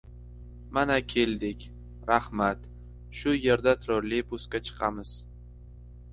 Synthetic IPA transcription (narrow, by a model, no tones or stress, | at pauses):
manakʲʰe̞ld̪ɪkʲ | ɾahmat̪ | ʃʊje̞ɾd̪at̪ʰɾoɾlipʰʊskʲat͡ʃʰɨ̥qʰɑmɪz̥